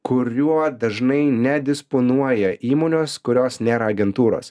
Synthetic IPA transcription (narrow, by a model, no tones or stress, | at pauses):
kʊɾʲuɔd̪ɐʒnɐɪnʲɛd̪ʲɪsponuɔjɛʔiːmoːnʲoːskʊɾʲoːsnʲeːɾɐɐɡʲɛnt̪uːɾo̰ːs